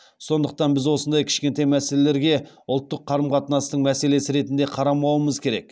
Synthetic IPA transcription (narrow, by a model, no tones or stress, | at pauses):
so̞nd̪əq̚t̪ɑnbɪzwo̞sənd̪ɑjkʲʰɪ̥ʃkʲe̞nt̪ejmæselele̞ɾɡʲe̞ | ʊlˠt̪ːəqʰːɑɾəmqʰɑt̪ənɑst̪əɴmæse̞le̞sɪɾe̞t̪ɪnd̪e̞qʰɑɾɑmɑwəməzkʲʰe̞ɾe̞̰k̚